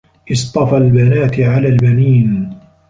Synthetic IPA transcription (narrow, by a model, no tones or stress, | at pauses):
ʔɨsˤt̪ˤɑfalbanaːt̪ʕalaːlbaniːn